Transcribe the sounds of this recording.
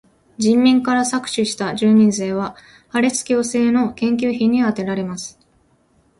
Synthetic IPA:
d͡ʑĩmːʲĩŋkaɾasakɯ̟̥ɕɨɕi̥t̪ad͡ʑɨːɲ̟ĩnze̞ːβ̞a | haɾe̞t͡sɨ̥kʲo̞ːse̞ːno̞kẽ̞ŋk̬ʲɨːçĩɲ̟ːiat̪e̞ɾaɾe̞masɨ̥

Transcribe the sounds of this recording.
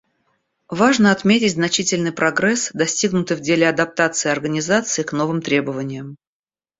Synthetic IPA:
vaʐnəɐt̪mʲetʲɪtʲznɐt͡ɕitʲɪlʲnɨjpɾɐɡɾɛsd̪ɐsʲtʲiɡnʊt̪ɨjvdʲelʲɪɐd̪ɐp̚t̪at̪sɨɪɐrɡənʲɪzat̪sɨɪkno̞vɨmt̪ɾʲe̞bəvənʲɪjəm

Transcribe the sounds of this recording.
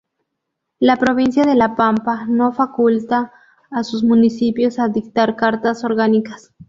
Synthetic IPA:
lapɾoβinsjaðelapampanofakult̪aː | susmunisipjosaðik̚t̪aɾkaɾt̪asoɾɣanikas

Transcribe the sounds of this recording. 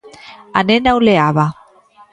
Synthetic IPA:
a̰nenawleaβa

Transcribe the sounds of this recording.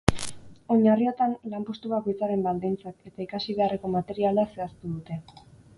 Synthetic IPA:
o̞ɲario̞t̪anlampo̞st̪uβako̞jt͡saɾe̞mbald̪int͡sake̞t̪aikasiβe̞are̞ko̞mat̪e̞ɾialase̞ast̪uðut̪e̞

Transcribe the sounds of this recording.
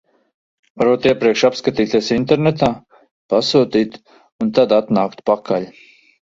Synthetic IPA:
vaɾut̪iɛpɾiɛkʃapskat̪iːt̪iɛsint̪ɛɾnet̪aː | pasuːt̪iːt̪ | unt̪ad̪at̪naːkt̪pakʰaʎʲ

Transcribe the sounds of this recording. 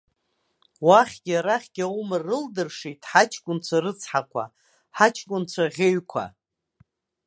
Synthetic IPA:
waχʲɡʲaɾaχʲɡ̥ʲawmarɨldɨrʂitʰħat͡ʃʰkʷʼʊnt͡sʷʰarɨt͡sʰħakʷʰa̰ | ħat͡ʃʰkʷʼʊnt͡sʷʰaʁʲeɥkʷʰa̰

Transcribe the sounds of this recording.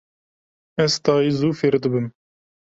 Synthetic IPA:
ɛzt̪ɑːiːzuːfeːɾd̪ɨbɨm

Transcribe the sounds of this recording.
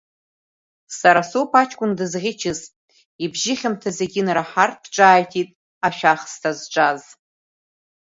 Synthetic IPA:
saɾasopʰat͡ʃʰʼkʷʼʊndɨzʁʲɪt͡ʃʰɪstʼ | ibʒɪχʲɪmtʰaze̞ɡʲɪnraħart̚ʰʼpʰʈ͡ʂʼaːjtʰitʼ | aʃᶣaχstʰazʈ͡ʂʷʼaz

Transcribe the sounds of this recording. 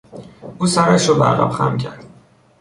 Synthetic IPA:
ʔuːsæɾæʃɾobæ̰ɾɣæ̰bxæ̰mcʲʰæɾd̪̥

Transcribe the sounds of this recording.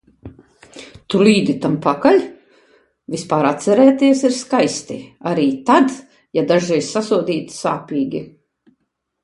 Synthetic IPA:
t̪uliːd̪it̪ampakalʲ | vispaːɾat̪sɛɾɛːt̪iɛsiɾskajst̪iaɾiːt̪ad̪ | jad̪aʒɛjsasuɔd̪ʲiːt̪saːpʲiːɡʲi

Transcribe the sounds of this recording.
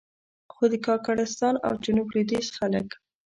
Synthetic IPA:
xod̪əkɑkaɽɪst̪ɑna̰wd͡ʒʊnubɾid̪isxalə̰k

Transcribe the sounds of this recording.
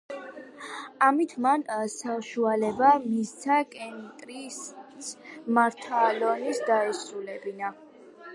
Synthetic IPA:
amit̪ʰmansaʃualɛbamist̪sʰakʼɛnt̪ʼɾi | maɾt̪ʰalɔnisd̪aɛsulɛbina

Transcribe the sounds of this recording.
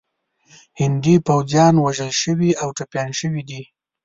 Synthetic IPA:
hɪnd̪ipawzjɑnwaʒəlʃəwiawʈapjɑnʃəwid̪i

